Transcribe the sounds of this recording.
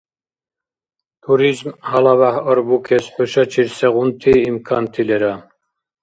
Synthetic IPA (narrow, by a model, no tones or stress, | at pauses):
t̪ʰuɾizmhɑlaβahɔɾbukʰɛsħøʃɑt͡ʃʰiɾsɛʁunt̪ʰiimkʰant̪ʰilɛɾa